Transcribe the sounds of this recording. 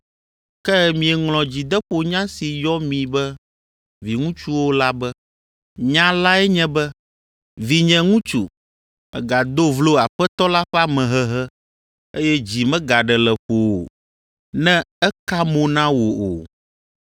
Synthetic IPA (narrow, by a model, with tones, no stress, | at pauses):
kɛ˦mĩ˨ɛ˨ŋlɔ̃˨d͡ʑi˨d̪ɛ˦ɸo˨ɲã˦si˨jɔ˦mĩ˨bɛ˦ | vi˨ŋũ˦t͡ʃu˦wo˦la˦bɛ˦ | ɲã˦la˦ɛ˦ɲɛ̃˦bɛ˦ | vi˨ɲɛ̃˨ŋũ˦t͡ʃṵ˨ | ɛ̰˨ɡa˨d̪o˦vlo˦a˨ɸɛ˦t̪ɔ˦la˦ɸɛ˦a˦mɛ̃˨ɦɛ˦ɦɛ˦ | e˦jɛ˦d͡ʑi˨mɛ̃˦ɡa˨ɖɛ˨lɛ˨ɸo˨o˨ | nɛ̃˦ɛ˦ka˦mõ˨nã˦wo˨o˨